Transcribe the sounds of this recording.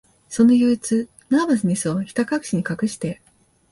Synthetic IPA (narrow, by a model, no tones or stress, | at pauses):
so̞nojoit͡sɨ | namasɨɲ̟ʲisɨoçʲi̥t̪akakɯ̟ɕiɲ̟ikakɯ̟ɕi̥t̪e̞